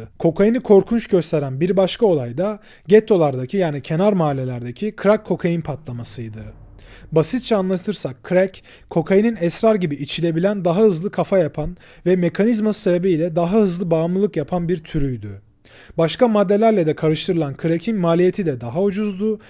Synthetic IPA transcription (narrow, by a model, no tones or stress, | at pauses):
kʰo̞kʰajɯnɯkʰo̞ɾkʰunt͡ʃɟø̞st̪ʰe̞ɾænbiɾbaʃkʰao̞lˠajd̪a | ɟet̪ʰːo̞lˠaɾd̪acʰijaːnicʰe̞naɾmaːlʲelʲæɾd̪ecʰikʰɾakʰːo̞kʰajɯnpʰat̪ʰlˠamasɯjd̪ɯ | basit̪̚t͡ʃʰɛanlˠat̪ʰɯɾsakʰːɾɛcʰː | o̞kʰajɯninɛsɾaɾɟibiʔit͡ʃʰilʲe̞bilʲænd̪aɦaɯzlˠɯkʰafajapʰan | vɛme̞kʰanizmasebebijlʲɛd̪aɦaɦɯzlˠɯbaːmlˠɯlˠɯkjapʰanbiɾt̪ʰyɾyjd̪y | baʃkamad̪ːe̞lʲæɾlʲɛd̪ɛkʰaɾɯʃt̪ʰɯɾɯlˠankʰɯɾecʰinmaːlʲijet̪ʰid̪ɛd̪aɦaud͡ʒuzd̪ʊ